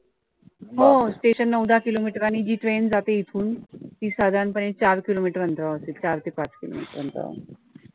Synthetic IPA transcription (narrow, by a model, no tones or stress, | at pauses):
ɦosʈeɕənːəwd̪ʱakilomiʈəɾanid͡ʑiːʈɾend͡zat̪eit̪ʰuːnt̪iːsad̪ʱaɳpəɽ̃ẽt͡ɕaɾkilomiʈəɾənt̪ɾaəsiːlt͡ɕaɾt̪ipat͡skilo̰mḭʈəɾʋənt̪ɾa̰